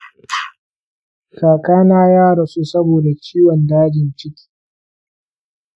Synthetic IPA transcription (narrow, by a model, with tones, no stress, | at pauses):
kaː˨kaː˦naː˦jaː˦ɽɐ˨su˦sɐ˦boː˨da˨t͡ʃʲiː˦wɔ˨ndaː˦d͡ʒɪ˨nt͡ʃɪ˦kʲi̥ː˨